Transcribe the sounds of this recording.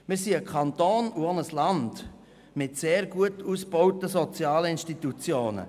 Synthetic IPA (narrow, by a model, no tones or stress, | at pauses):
mɪsiəkʰɑnt̪oːnuɔnəslɑnd̥ | mɪtseːɾɡuətuːsb̥ɔʊtəsɔt͡sjɑːləɪnʃtitut͡sjoːnə̰